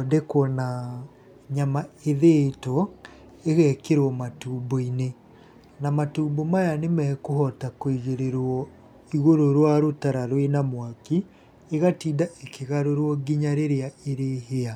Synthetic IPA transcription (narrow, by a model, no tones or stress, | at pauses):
ɔdɛkwɔna | ɲamaeðetɔ | eɣɛkeɾwɔmatuːmboine | namatuːmbomajanemɛkoɦɔtakwiɣeɾeɾwɔ | iɣoɾoɾwaɾotaɾaɾwenamwaki | eɣatiːdaʔekeɣaɾoɾwɔɡiɲaɾeɾeaeɾeɦea